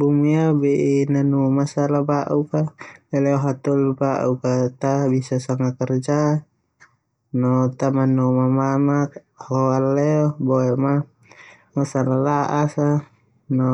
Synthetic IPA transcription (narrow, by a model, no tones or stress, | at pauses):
bumiabɛʔinanumasalabaʔukalɛlɛɔɦat̪ɔlbaʔukat̪abisasaŋakɛrd͡ʒa | nɔt̪amanumamamak | hɔalːɛɔbɔɛma | masalalaʔasa | nɔ